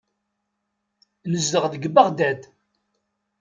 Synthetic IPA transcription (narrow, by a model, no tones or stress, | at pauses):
nəzːəʁðəɡbəʁd̪æd̪